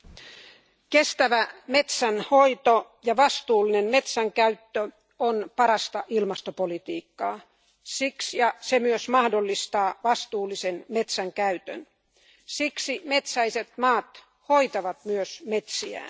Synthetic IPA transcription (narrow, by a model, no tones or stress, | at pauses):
kest̪æʋæmet̪sænhoit̪ojɑʋɑst̪uːlːinemmet̪sæŋkæyt̪ːø | onpɑɾɑst̪ɑʔilmɑst̪opolit̪iːkːɑː | siksjɑsemyøsmɑhdolːist̪ɑːʋɑst̪uːlːˑisenmet̪sæŋkæyt̪ø̰n | siksimet̪sæiset̪mɑːt̪ | hoit̪ɑʋɑt̪myøsmet̪siæ̰ː